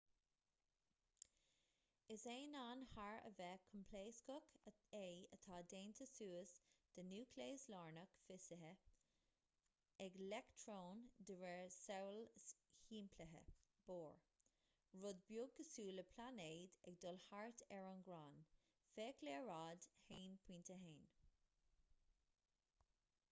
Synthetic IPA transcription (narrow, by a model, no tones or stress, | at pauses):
ɪseːnaːnhaɹə̰vɛːkʰəmpʰleːskɔkʰəejət̪ʰɑːd̪eːnt̪ʰəsuːəsd̪̥ənuːkʰleːslɔːɹnəkfɪsəɦə | ɛɡlɛkt̪ʰɾoːnd̪əvɛɹsɛwlhiːmpʰləɦə̰b̥oːɹ | ɹʊd̪̚bjʊɡːəsuːləpʰlaneːd̪ɛɡ̚d̪ɔlhaɹt̪ʰɛɹʊnɡɾaːn | feːkʰleːɹaːd̪heːnpʰwiːnt̪əɦeːn